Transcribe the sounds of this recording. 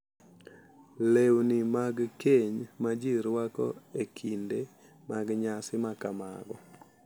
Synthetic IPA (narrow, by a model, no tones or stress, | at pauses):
lewnɪmaɡkeɲmad͡ʒiɾwakɔ̰ekʰinde | maɡɲasɪmakama̰ɡɔ